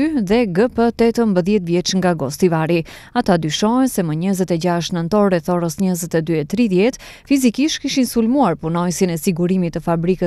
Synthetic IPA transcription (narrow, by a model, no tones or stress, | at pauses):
yðɛɡəpət̪ɛt̪əmbəðjɛt̪vjɛt͡ʃŋɡaɡɔst̪ivaɾi | at̪ad̪yʃɔɦɛnsɛməɲəzɛt̪ɛɟaʃ̬t̪nənt̪ɔɾɾɛθɔɾəsɲəzɛt̪ɛd̪yɛt̪ɾiðjɛt̪ | fizikiʃt̪kiʃinsulmuaɾpunɔjsinɛsiɡuɾimit̪ːəfabɾikə